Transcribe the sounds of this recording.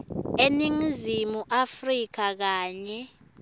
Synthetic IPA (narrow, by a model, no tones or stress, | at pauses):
eniŋizimuʔafrik̬ak̬aːɲɛ